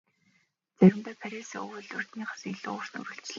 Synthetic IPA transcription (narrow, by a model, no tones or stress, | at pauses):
t͡sæɾʲɪ̆mt̪æːpʰæɾʲisɵ̰ɣɘ̆ɮɵr̥t̪niːχḁsiɮʊ̰ːrsnɵ̰ɾɘ̆ɬt͡ɕɮ